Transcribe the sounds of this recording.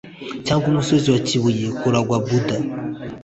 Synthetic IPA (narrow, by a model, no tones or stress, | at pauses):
t͡ʃaŋɡumusoziwat͡ʃiβujɛkuɾaɡwabud̪a